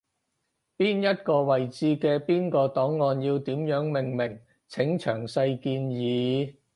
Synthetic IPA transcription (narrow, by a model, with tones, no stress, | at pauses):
piː˥njɐ˥t̚kɔː˧wɐ˨˩jt͡siː˧kɛː˧piː˥nkɔː˧t̪ɔː˨˥ŋːɔː˧njiː˧wt̪iː˨˥mjœː˨˥ŋmɪ˨˩ŋmɪ˨˩ŋ | t͡sʰɪ˨˥ŋt͡ʃʰœ̰ː˨˩ŋsɐ˧jkiː˧njiː˨˧˦